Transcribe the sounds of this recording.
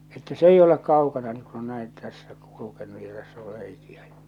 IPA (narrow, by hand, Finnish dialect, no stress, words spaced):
etːæ s eij olek kɑukɑnɑ ni ku on næin tæsːæ kulukenu jɑ tæsː or reikiæ j̊ɑ̥